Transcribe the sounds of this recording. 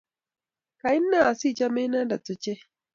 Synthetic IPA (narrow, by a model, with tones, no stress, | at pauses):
ka˨ji˦nːa˦˨a˨si˦˨t͡ʃa˦me˦na˦da˨to˦t͡ʃe˦